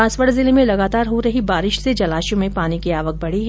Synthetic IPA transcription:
aːsʋəɽzɪlemẽlɐɡaːt̪aːɾɦoɾɐɦibaːɾɪʃsed͡ʒɐlaːʃõmẽpaːnikiaːʋək̚bɐɽiɦɛ

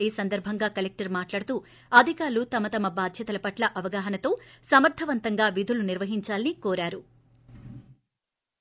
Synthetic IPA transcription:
eːsɐnd̪ɐɾbʱɐŋɡaːkɐlek̚ʈɐɾmaːʈlaːɽut̪uː | ɐd̪ʱikaːɾɐlut̪ɐmɐt̪ɐmɐbaːd̪ʱjɐt̪ɐlɐpɐʈlɐʔɐʋɐɡaːɦɐnɐt̪o̞ːsɐmɐɾt̪ʰɐʋɐnt̪ɐŋɡaːʋid̪ʱuluniɾʋɐɦiɲt͡ʃaːlɐnikoːɾaːɾu

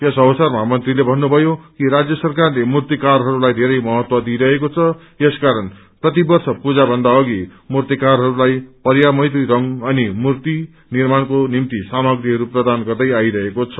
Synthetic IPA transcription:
jesʌwʌsarmamʌnt̪rilebʱʌnːubʱʌjokiɾad͡zjʌsʌrkarlemurt̪ikarɦʌɾulajd̪ʱeɾʌjmʌɦʌt̪wʌd̪ʱiɾʌɦekot͡sʰʌ | jeskaɾʌn | prʌt̪ibʌrsʌpud͡zabʱʌnd̪aʌɡimurt̪ikarɦʌɾulajpʌrjamʌjt̪iɾʌŋʌnimurt̪i | nirmankonimt̪isamʌɡɾiɦʌɾuprʌd̪anɡʌrd̪ʌjajɾʌɦekot͡sʰʌ̥

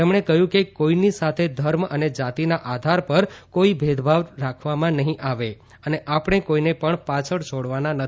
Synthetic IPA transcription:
emɳ̃ekəjũkekoinisat̪ʰed̪ʱəɾməned͡ʒat̪inaʔad̪ʱaɾpəɾkoibʱed̪ʱbʱaʋɾakʰʋamãnəɦĩʔaʋe | əneʔapɽ̃ekoinepəɳpat͡ʃʰəɽt͡ʃʰoɽʋananə

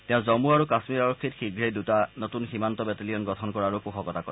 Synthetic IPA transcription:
tɛʊ̃zɔmuaɹukasmiɹaɹɔkʰːitxiɡɹejdutanotunximantɔbɛtelijɔnɡɔtʰɔnkɔɹaɹukuxɔkɔtakɔ̰

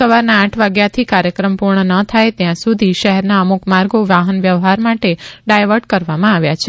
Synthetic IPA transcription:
səʋaɾnaːʈʰʋaɡjat̪ʰikaɾjəkɾəmpuɾɳənət̪ʰajt̪jãsud̪ʱiʃəɦɛɾnaəmukmaɾɡoʋaɦənʋjəʋɦaɾmaʈeɖajʋəɾɖ̚kəɾʋamãaʋjat͡ʃʰe

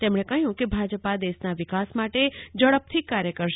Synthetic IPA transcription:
t̪emɳ̃ekəjũkebʱad͡ʒəpad̪eʃnaʋikasmaʈed͡ʒəɭəp̚t̪ʰikːaɾjəkəɾʃ

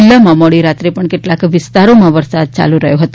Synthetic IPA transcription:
lːamamoɭiɾat̪ɾepəɳkeʈlakʋɪst̪aɾomãʋəɾsad̪̚t͡ɕa̰luɾəɦjoɦət̪o

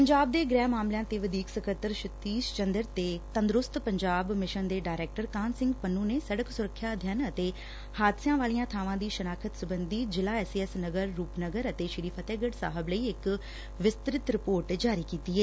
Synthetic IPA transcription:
pəɲd͡ʒaːb̚d̪eːɡɾɛːmaːmlɪjãːt̪eːʋəd̪iːksəkʰəɾt̪əɾʃɪt̪iːst͡ʃənd̪əɾt̪eːt̪ənd̪ɾʊst̪pəɲd͡ʒaːbmɪʃənd̪eːɖaːɾɛːk̚ʈəɾkaːnsɪ̃ŋɡpənũːneːsəɽəksʊɾəkʰːjaːəd̪ʱjaːnət̪eː | haːd̪sɪjãːʋaːlijãːt̪ʰaːʋãːd̪iːʃənaːkʰət̪sʊbənd̪iːd͡ʒɪlaːɛːsiːɛsnəɡəɾːuːpnəɡəɾət̪eːʃəɾiːpʰət̪ɛːɡəɖsa̰ːɦəbləiːɪk | ʋɪst̪ɾɪt̪ɾɪpoːɾʈd͡ʒaːɾiːkiːt̪iːeː

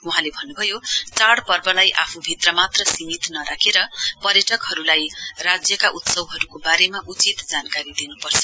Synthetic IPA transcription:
uɦãlebʱʌnːubʱʌjot͡saɽpʌrbʌlajʔapʰubʱit̪rʌmat̪rʌsimit̪nʌɾakʰeɾʌpʌrjʌʈʌkɦʌɾulajrad͡zjʌkaʔut̪sʌwɦʌɾukobaɾemaʔut͡sit̪d͡zankaɾid̪inupʌrt͡sʰʌ̥

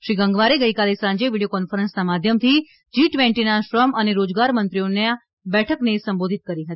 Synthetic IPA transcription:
ʃɾiɡəŋɡʋaɾeɡəikalesãɲd͡ʒeʋiɽiokɔnfəɾənsnamad̪ʱjəmt̪ʰi | d͡ʒiʈʋẽɳʈinaʃɾəməneɾod͡ʒɡaɾmənt̪ɾijonea | bɛʈʰəknesəmbod̪ʱit̪̚kəɾiɦət̪i̥

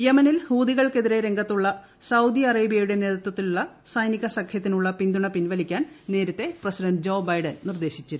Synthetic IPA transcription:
jemɐnilhuːðiɣɐɭke̞ðiɾe̞ɾe̞ŋɡɐt̪ːuɭːɐ | sɐwd̪ijɐreːbijɐjuɽe̞ne̞ːðɐt̪ːwɐt̪ːiluɭːɐsɐjniɣɐsɐkʰjɐt̪ːinuɭːɐpind̪uɳɐpinʋɐlikʲːaːnne̞ːɾɐt̪ːe̞prɐsidɐnɖd͡ʑo̞ːbɐjɖɐnnird̪e̞ːɕit͡ɕːɐɾu

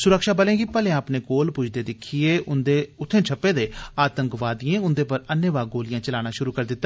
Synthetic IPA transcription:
sʊɾəkʃaːbəlẽːɡipəlẽãːəpneːkoːlpʊt͡ʃʰd̪eːd̪ɪkʰːieːʊnd̪eːʊt̪ʰːẽːt͡ʃʰəpːeːd̪eːaːt̪ə̃ŋkʋaːd̪ɪjẽːʊnd̪eːpəɾənjəʋaːɡoːlɪjãːt͡ʃəlaːñaːʃʊɾuːkəɾd̪ɪt̪ːaː

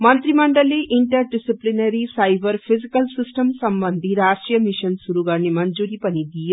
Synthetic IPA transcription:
mɐnt̪ɾimɐɳɖɐliʔiɳʈɐɾɖisiplinɐɾisɐjbɐɾpʰizikɐlsisʈɐmsɐmbɐnd̪ʱiɾaːsʈɾijɐmiʃɐnsuɾuɡaːnːimɐɲd͡ʒuɾipɐniɡ̪ij

